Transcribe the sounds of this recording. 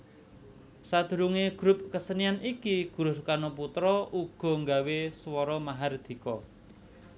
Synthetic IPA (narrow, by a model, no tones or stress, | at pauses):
sad̪̥ṳɾuŋeɡ̥ɾʊp̚kəsənianikiɡ̥ṳɾʊskanɔput̪ɾɔuɡ̥ɔ̤ŋɡa̤weswɔɾɔmaɦard̪̥i̤kɔ